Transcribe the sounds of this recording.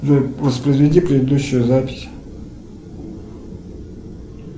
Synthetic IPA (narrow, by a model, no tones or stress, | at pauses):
əvəspɾəjzvʲɪdʲipɾʲɪd̪ɪd̪uɕːʊjʊzapʲɪ̥sʲ